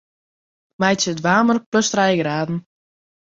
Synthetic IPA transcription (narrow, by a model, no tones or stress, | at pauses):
mɛjtsədʋaːmərpløstrɛjɡraːdn̩